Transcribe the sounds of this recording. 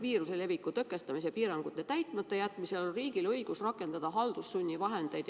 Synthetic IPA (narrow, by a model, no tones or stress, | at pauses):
viːɾusele̞vikːˑut̪økːˑe̞st̪ɑmisepiːɾɑŋɡ̥ut̪ːˑe̞t̪æjt̪ˑmɑt̪ːe̞jæt̪ːˑmise̞lolriːɡilɤjɡ̥usrɑkːˑe̞nd̪̥ɑd̪̥ɑɦɑld̪̥usːunʲːivɑɦe̞nd̪̥e̞jd̪̥